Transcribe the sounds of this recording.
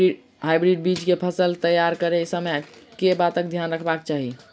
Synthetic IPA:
ɦajbɾiɖ̚bit͡ʃkepʰəsəlt̪əjaɾkəɾesəmekebat̪ək̚d̪ʱjanɾəkʰbakt͡ʃaɦi

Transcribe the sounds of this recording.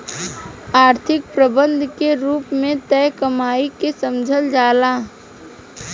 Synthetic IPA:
aːɾt̪ʰɪk̚pɾəbə̃nd̪ʱkeɾuːpmẽt̪ɛːkəmaːikesəmd͡ʒʱəld͡ʒaːlaː

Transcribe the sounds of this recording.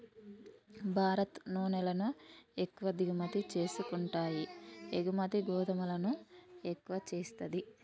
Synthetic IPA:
bʱaːɾɐt̪nɔːnɛlɐnuekːuʋɐd̪iɡumɐt̪it͡ʃe̞ːsukuɳʈaːjieɡumɐt̪iɡɔːd̪ɐmulɐnuekːuʋɐt͡ʃe̞ːst̪ɐd̪i

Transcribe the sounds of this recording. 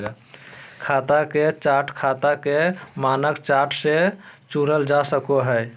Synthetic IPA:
kʰat̪aket͡ʃaʈʰkʰat̪akemanəkt͡ʃaʈʰsẽt͡ʃuɾəld͡ʒasəkoɦəj

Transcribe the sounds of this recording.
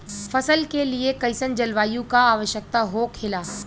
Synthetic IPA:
fɐsəlkeliekɐɪsənd͡ʒɐlʋaːjũkaaːʋəʃjək̚t̪aɦoːkʰɪlaː

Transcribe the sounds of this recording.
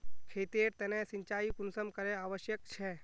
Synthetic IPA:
kʰet̪eɾt̪ɛnesĩɲt͡ʃaːjikunsəmkəɾeaʋəʃjək̚t͡ʃʰɛ

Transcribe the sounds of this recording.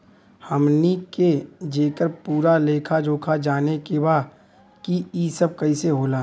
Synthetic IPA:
həmniked͡ʒeːkəɾpuːɾaleːkʰad͡ʒoːkʰad͡ʒaːnekebaː | kiisəb̚kɐiseɦoːlaː

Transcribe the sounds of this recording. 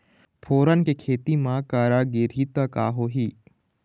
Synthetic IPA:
pʰoːɾənkekʰeːt̪imãkaːɾaːɡeːɾit̪akaːɦoːɦiː

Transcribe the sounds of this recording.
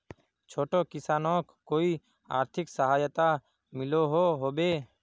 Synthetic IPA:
t͡ʃʰoːʈoːkɪsaːnɔ̃ːkːoːi | a̰ːɾt̪ʰɪksəɦaːjət̪a | mɪloːɦoːɦoːbeː

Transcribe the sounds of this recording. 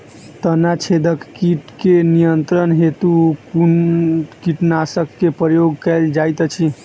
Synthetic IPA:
t̪ənat͡ʃʰed̪əkkiʈkenijənt̪ɾənɦet̪uku | kiʈnasəkːepɾəjoɡ̚kɛld͡ʒajt̪ət͡ʃʰi

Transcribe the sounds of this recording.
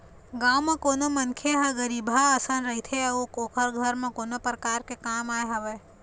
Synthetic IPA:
ɡãːwmãkoːnomənkʰeɦɐɡəɾiːbʱaːsanɾɐɦit̪ʰeɐukoːkʰəɾɡʱəɾmãkoːnopɾəkaːɾkekaːmaːeɦɐʋeː

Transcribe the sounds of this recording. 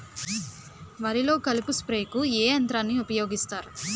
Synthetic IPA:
ʋɐɾilo̞ːkɐlupuspɾeːkueːɐnt̪ɾaːnːiupɐjo̞ːɡist̪aːɾu

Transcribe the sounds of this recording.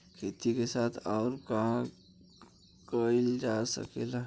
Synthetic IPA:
kʰeːt̪ikesaːt̪ʰɔːɾkaɦã | kəild͡ʒasə̰kela

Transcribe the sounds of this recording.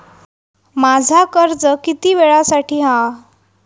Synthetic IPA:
mad͡zʱakəɾd͡zəkit̪iːʋeɭasaʈʰiːɦa

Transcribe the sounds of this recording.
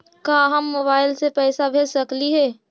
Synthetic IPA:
kaːɦəmːoːbaːɪlsepɛːsabʱeːsəkliɦɛː

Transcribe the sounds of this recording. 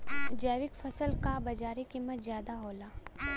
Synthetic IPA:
d͡ʒɛːʋɪkfɐsəlkabɐd͡ʒaːɾikɪmːət̪zjaːd̪aɦoːlaː

